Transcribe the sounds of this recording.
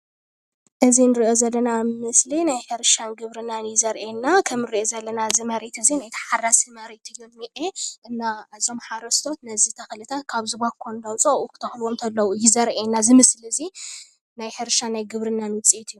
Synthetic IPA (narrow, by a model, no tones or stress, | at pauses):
ʔɨzinɨɾiʔo̞zɐlːɐnamɨslinajħɨɾʃanɡɨβɾɨnːanjɪzɐɾʔenːakʰɐmɨɾiʔozɐlːɐnazɨmɐɾet̪ɨzinajt̪ʰɐ̥ħarasimɐɾit̪ʰɨjːommiʔeʔɨnːaɨzo̞mħaɾɐst̪ʰot̪nɐzit̪ʰɐxlɨt̪ʰakʰaβzɨβakʰːond̪ɐwt͡sʼɐʔukʰɨ̥t̪ʰɐxlomt̪ʰɐlːɐwujɪzɐɾʔenːazɨmɨsliɨzi | najħɨɾʃanajɡɨβɾɨnːanwɨt͡sʼiet̪ʰɨjːu